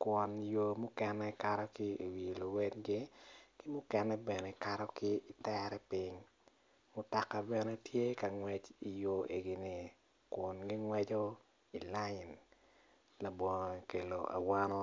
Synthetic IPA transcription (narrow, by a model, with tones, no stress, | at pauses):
kwɔ˨njo˨mʊ˦kɛ˦nːɛ˦ka˨ɾɔ˦kɪ˦i˨wi˨lo˨wɛ˦dɡɪ˦kɪ˦mʊ˦kɛ˨nːɛ˦bɛ˨nɛ˨ka˨ɾɔ˦kɪ˦i˨tɛ˦ɾɛ˦pɪ˦ŋ | mʊ˦ta˨kːa˨bɛ˨nɛ˦tʰje˦ka˨ŋwɛ˨d͡ʒi˨jo˨ʔe˨ɡi˨nɪ˨ | kʊ˨nɡɪ˦ŋwɛ˦d͡ʒo˦ | i˨la˦jɪ˨n | la˨bɔ˨ŋ˨ke˨lo̰˨ʔa̰˨wa˦nɔ˦